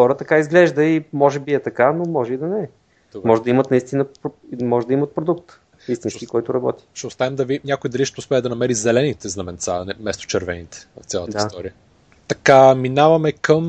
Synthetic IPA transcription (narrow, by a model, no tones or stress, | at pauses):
xɔɾət̪ɐkaizɡlɛʒd̪əimɔʒɛbiɛt̪ɐkanomɔʒɛid̪ɐnɛɛ | mɔʒɛd̪ɐimət̪nɐist̪inəpmɔʒɛd̪ɐimət̪̚pɾod̪ukt̪ | ist̪inskʲikɔjt̪ʊɾɐbɔ̰t̪i̥ʃɛʊst̪avɛmd̪ɐvinʲakʊid̪ɐliʃt̪ʊspɛəd̪ɐnɐmɛɾizɛlɛnit̪ɛznɐmɛnt̪sanɛmɛst̪o̥t͡ʃɛɾvɛnit̪ɛ̥vɐft̪sʲalˠət̪ist̪ɔɾiə | t̪ɐkaminavɐmɛkəm